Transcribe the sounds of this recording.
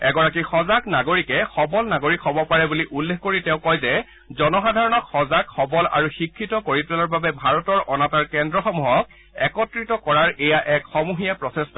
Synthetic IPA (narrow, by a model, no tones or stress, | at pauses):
ɛɡɔɹakixɔzaknaɡoɹikɛxɔbɔlnaɡoɹikʰːɔbɔpaɹɛbuliʔulːexkoɹitɛ̃ʊ̃kɔjzɛ | zɔnɔxadʱaɹɔnɔkxɔzakxɔbɔla̰ɹuxikʰːitɔkoɹipɛlɔɹbabɛbʱaɹɔtɔɹʔɔnataɹkɛndɹɔxɔmuɦɔk̚ | ɛkɔtɹitɔkɔɹaɹejaʔɛkxɔmuɦijapɹɔsestɔ